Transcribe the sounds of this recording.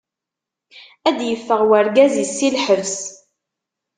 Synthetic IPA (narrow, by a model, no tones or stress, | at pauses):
æd̪jəfːəʁwəɾɡæzisːilħəvs